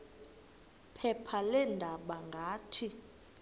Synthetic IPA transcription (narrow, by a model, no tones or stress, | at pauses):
pʰɛpʰalɛndʱaɓaŋɡʱaːtʰi